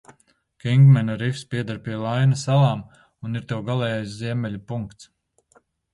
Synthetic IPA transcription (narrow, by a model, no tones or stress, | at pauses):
kiŋɡmɛnaɾifspʲiɛd̪aɾpiɛlˠajnasalˠaːm | uniɾt̪ɛwɡalˠɛːjajsziɛmʲɛlʲupuŋkt̪s